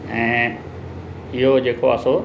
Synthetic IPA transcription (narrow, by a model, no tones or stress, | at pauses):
ɛ̃ː | ɪɦod͡ʑeːkoa̰so